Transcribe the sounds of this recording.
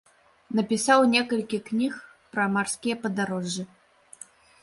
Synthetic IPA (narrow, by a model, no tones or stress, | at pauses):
nɐpʲisawnʲɛkɐlʲkʲiknʲix | pɾɐmarskʲijɛpɐd̪aɾɔʐːɨ